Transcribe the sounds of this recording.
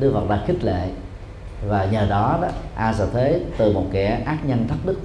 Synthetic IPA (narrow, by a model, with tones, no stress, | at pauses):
ɗɨ˧əvə˨˩t̚ɗa̰ː˧˥xï˦˥k̟̚lḛ˧˨ | vaː˨˩ɲəː˨˩ɗɔ˨˦ɗɔ˨˦ʔaː˧zə˧˩t̪ʰe˨˦t̪ɨ˨˩mo˨˩t̚kɛ̰˧˩ʔaː˦˥t̚ɲə˧nt̪ʰə˦˥t̚ɗɨ˦˥k̚